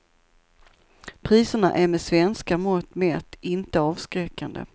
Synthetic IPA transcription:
pʰɾiːsəɳa̰ʔæɾmɛsvɛnskamɔt̪mɛːt̪ɪnt̪əɑːvskɾɛkːand̪ə̰

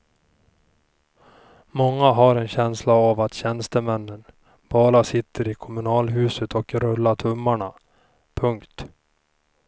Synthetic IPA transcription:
mɔŋːaɦaɾɛnɕɛnslaavat̪ɕɛnst̪əmɛnːən | b̥ɑːɾasɪt̪ʰːəɾɪkʰɔmɵnɑːlɦʉ̟ːsət̪ʰɔkɾɵlːaʈʰɵmːaɳa | pʰɵŋkt̪

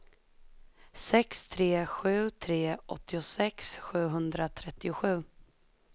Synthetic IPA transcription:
sɛkst̪ʰɾeːɧʉ̟ːt̪ʰɾeːʔɔ̰t̪ʰːɪʊsɛksɧʉ̟ːɦɵnd̪ɾat̪ʰɾɛt̪ːɪʊɧʉ̟ː

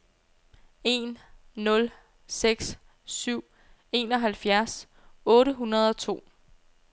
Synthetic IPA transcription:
e̝̰ːnːɔ̽l | seɡ̥s | syʊ̰ | e̝ːnɒ̽ɦælfjæɐs | ɔ̽ːɾəɦunɐð̞ˠɒ̽t͡sʰo̝̰ː

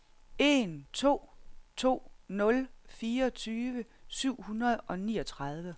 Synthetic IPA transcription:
e̝nt͡sʰo̝̰ːt͡sʰo̝̰ːnɔ̽lfiːɐɒt͡sʰyːʋə | syʊ̰hunʁɐð̞ˠʔɒ̽nḭːɒ̽t͡sʰʁɑð̞ˠʋə

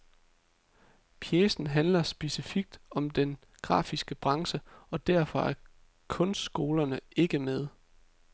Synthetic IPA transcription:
pʰjesn̩ɦænlɐsb̥e̝sifiɡ̥̚d̥ɒ̽md̥en | ɡ̥ʁɑ̰̈ːfisɡ̥əb̥ʁɑ̈ŋsəɒ̽d̥æɐfɒ̽æɐ | kʰɔ̽nsd̥sɡ̥o̝ːlɐnəe̝ɡ̥əmeð̞ˠ

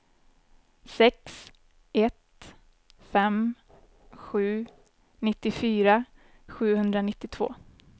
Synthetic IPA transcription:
sɛks | ɛt̪ | fɛm | ɧʉ̟ː | nɪt̪ːɪfyːɾa | ɧʉ̟ːhɵnd̪ɾanɪt̪ːɪt̪ʰv̥o̰ː

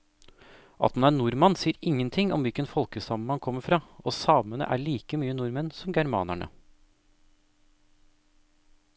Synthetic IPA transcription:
ʔɑ̰t̪hʉnæːnuːɾmɑnsiːəɾɪŋːənt̪ʰɪŋʔɔ̰mʋɪkənfɔlkəsɑːməmɑnkʰɔmːəfɾɑːoːsɑːmənə̰ʔæɭiːkəmyːənuːɾmɛnsɔmɡæɾmɑ̰ːnæ̰ɳə̰

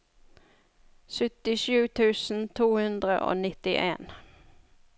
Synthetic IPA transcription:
sʏt̪ɪʃʉːt̪ʰʉːsn̩t̪ʰuːhʉnd̪ʁəʔo̰ːnɪt̪ɪʔeːn

